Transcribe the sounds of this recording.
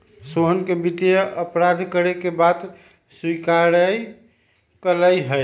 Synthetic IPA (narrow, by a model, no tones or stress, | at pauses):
soɦənkebit̪jəʔəpɾad̪ʱkəɾekebad̪ | swikaɾəj | kələjɦəj